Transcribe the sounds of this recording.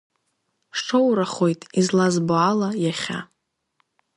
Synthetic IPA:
ʈ͡ʂowɾaχo̞jtʼizlazbualajaχʲa̰

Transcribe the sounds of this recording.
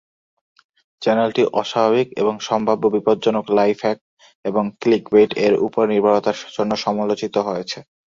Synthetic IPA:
t͡ɕɛnelʈiʔɔʃabʱaβikḛboŋʃɔmbʱabːobipod̪d͡ʑonoklajfʰɛk̚ | eboŋklikbeʈeɾṵpoɾniɾbʱaɭot̪aɾd͡ʑonːoʃɔmolot͡ɕit̪oɦoet͡ɕʰe

